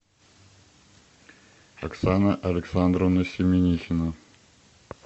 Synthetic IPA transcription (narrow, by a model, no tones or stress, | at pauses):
ɐ̰ksanəʔɐlʲɪksand̪ɾəvnəsʲɪmʲɪnʲixʲɪnə